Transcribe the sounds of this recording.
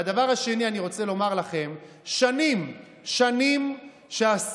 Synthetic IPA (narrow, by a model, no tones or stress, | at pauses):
ad̪avaʁaʃe̞nianiʁo̞t͡selo̞maʁlaχe̞m | ʃanim | ʃanim | ʃeas